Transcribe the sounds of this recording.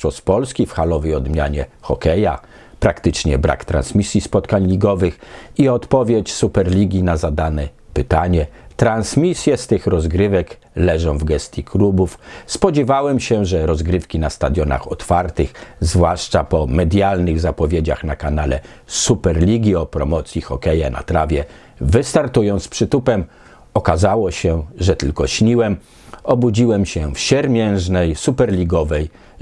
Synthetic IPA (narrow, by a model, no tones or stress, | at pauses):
ɔspɔlskʲifxalɔvɛjɔd̪mʲjaɲɛxɔkɛja | pɾakt̪ɘt͡ʂɲɛbɾʔa̰kt̪ɾa̰nsmʲisʲjispɔt̪kaɲlʲiɡɔvɘxiɔt̪pɔvʲjet͡ɕsupɛɾlʲiɡʲinazad̪anɛpɘt̪aɲɛt̪ɾansmʲisʲjɛst̪ɘxɾɔzɡɾɘvɛk | lɛʐɔ̃w̃vɡɛst̪ʲjikʰlubufspɔd͡ʑɛvawɛmɕɛʐɛɾɔzɡɾɘfkʲinast̪ad̪ʲjɔna̰xɔt̪faɾt̪ɘxzvwaʂt͡ʂapɔmɛd̪ʲjalnɘɣzapɔvʲjed͡ʑaxnakanalɛ̰ | supɛɾlʲiɡʲiɔpɾɔmɔt̪sʲjixɔkɛjɛna̰t̪ɾavʲjɛ | vɘst̪aɾt̪ujɔnt̪spʂɘt̪upɛm | ɔkazawɔɕɛʐɛt̪ɘlkɔɕɲiwɛm | ɔbud͡ʑiwɛmɕɛfɕɛɾmʲjɛ̃w̃ʐnɛjsupɛɾlʲiɡɔvɛj